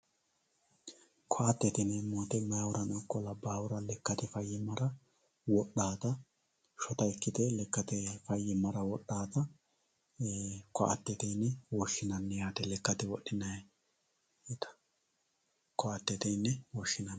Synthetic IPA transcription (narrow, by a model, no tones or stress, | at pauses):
kʰɔɐt̪ːɛt̪ɪnɛmoːt̪ɛmɐjawʊɾɐnɔkːɔlɐbaːwʊɾɐlɛkːɐt̪ɛfɐjːɪmɐɾɐ | wɔɗːaːt̪ɐ | ʃɔt̪ɐɛkːɪd̪ɛlɛkːɐt̪ɛfɐjːɪmɐɾɐwɔɗːaːt̪ɐ | kɔʔɐ̰t̪ːɛt̪ɛjnːɛwɔʃːɪnɐnːɛjaːt̪ɛlɛkːɐt̪ɛwɔɗːɪnɐ | ɪt̪ɐ̥ | kʰɔɐt̪ːɛt̪ɛjnːɛwɔʃːɪnɐnː